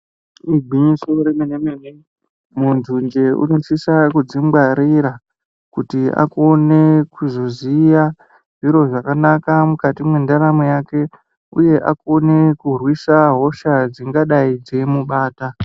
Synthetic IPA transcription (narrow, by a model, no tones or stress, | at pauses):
iɡʱwiɲiso̞ɾemenemene | mund͡ʒund͡ʒe̞ṵno̞sisakud͡zimbaɾiɾa | kutia̰ko̞ne̞kuzozija | ʐiɾo̞ʐakanakamukatimwendaɾamojake̞ | uje̞ʔako̞ne̞kurwisaɦo̞ʃad͡ziŋɡaɗaid͡ze̞muɓaːta